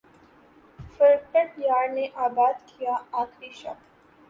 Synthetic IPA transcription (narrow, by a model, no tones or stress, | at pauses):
fəɾʈəʈjaːɾneʔaːbaːd̪kʰijaaːxʰɾiʃɐ̰k